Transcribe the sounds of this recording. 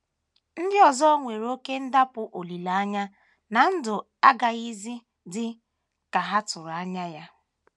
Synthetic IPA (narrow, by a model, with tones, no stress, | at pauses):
n̩˦dɪ˦ɔ˨zɔ˦ŋʷe˨ɾo˦ke˦n̩˦da˦pʊ˨ʔo˨li˨la˨a˦ɲa˦ | na˨n̩˦dʊ˨ | a˦ɡa˨i˦zi˦ | dɪ˦ | ka˨ɦa˦tʊ˨ɾa˦ɲa˦ja˦